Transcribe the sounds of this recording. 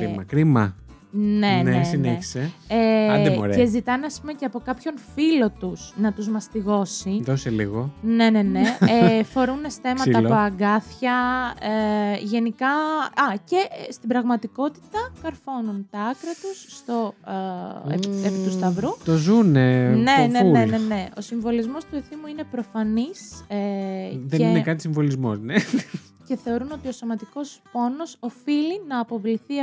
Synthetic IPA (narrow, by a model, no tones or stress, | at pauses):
ɾimɐ̰kɾimɐ | neneesinei̥seeɾezit̪ɐneɐspume̞ceɐpo̞kɐpço̞nfilo̞t̪uz̥nɐt̪uzmɐst̪iɣo̞siðoseliɣone̞ne̞nefo̞ɾunːest̪e̞mɐt̪ɐpoɐɡɐθçɐ | ʝe̞nikɐɐce̞st̪ibɾɐɣmɐt̪iko̞t̪i̥t̪ɐkɐɾfo̞nunt̪ɐɐkɾɐt̪usːt̪o̞ | ḛepit̪ust̪ɐvɾut̪ozuneneneene̞ne̞o̞siɱvo̞lizmo̞st̪ue̞θimuine̞pɾo̞fɐniseðeinekɐt̪i̥siɱvo̞lizmo̰zne | ce̞θe̞o̞ɾuno̞t̪io̞so̞mɐt̪iko̞spo̞no̞so̞filinɐːpo̞vliθiɐ